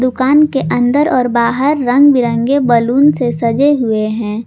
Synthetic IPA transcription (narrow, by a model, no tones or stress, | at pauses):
d̪ʊkaːnkeʔɐ̃nd̪əɾɔːɾbaːɦəɾːɐ̃ŋɡbɪɾə̃ŋɡebɐluːnsesɐd͡ʒeɦʊeɦɛ̃ː